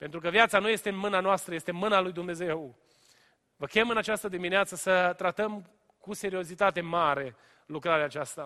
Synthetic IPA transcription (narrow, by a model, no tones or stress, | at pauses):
pe̞nt̪ɾuk̬əvjat̪sanuje̞st̪enmɨnanoast̪ɾəjest̪emɨnalujd̪umne̞ze̞w | vəkʲemɨnat͡ʃast̪əd̪imineat̪səsət̪ɾat̪əm | kuse̞ɾio̞zit̪at̪e̞maɾe̞ | lukɾaɾeat͡ʃast̪a